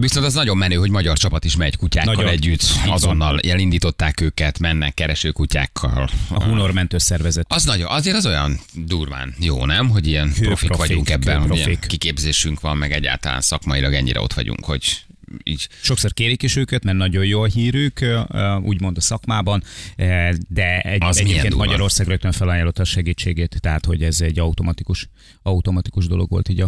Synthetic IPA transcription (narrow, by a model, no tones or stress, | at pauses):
ʋiso̞nt̪ɒznɒɟo̞mːɛnøːɦo̞ɟmɒɟɒrt͡ʃɒpɒt̪iʃmɛɟkucaːkːɒlɛɟːyt̪ːɒzonːɒlʔɛlind̪iːt̪o̞t̪ːaːkøːkɛt̪mɛnːɛkːɛɾɛʃøːkuca̰ːkʰːɒ̰lɒuno̞rmɛnt̪øːsɛrvɛzɛt̪ɒznɒɟoʔɒzeːɾɒzo̞jɒ̰nd̪uːrva̰ːnjo̰ːnɛmɦo̞ɟijɛnhøpɾfiɾʋɒɟuŋkɛbːɛnhoɾoiikikeːbzeːʃyŋkʋɒmːɛɡɛɟːa̰ːlt̪ɒla̰ːnsɒkmɒjilɒɡɛ̰ɲːḭɾɛ̰o̞t̪ʋɒ̰ɟṵŋkho̞̰ɟ | iːɟʃo̞kso̞rkeːɾikiʃøːkɛt̪mɛrnɒɟo̞jjoːlɦiːɾyːkṵːɟmo̞nd̪ɒsɒkmaːbɒn | d̪ɛɛzɛɟmieːpɛnkeːnmɒɟɒɾo̞rsaːɡrøk̚t̪øɱfɛlɒjaːlo̞t̪ːɒʃɛɡiːt͡ʃːeːɡeːt̪ːɛɦat̪ho̞ɟɛzɛɟːɒut̪o̞mɒt̪ikuʃ | ɒut̪o̞mɒt̪ikuʒd̪o̞̰lo̞ɡʋo̞̰lt̪iːɟɒ